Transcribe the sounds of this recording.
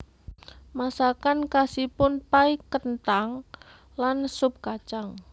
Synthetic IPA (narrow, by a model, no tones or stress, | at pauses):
masakankasipʊnpaikənt̪aŋ | lansʊp̚kat͡ʃaŋ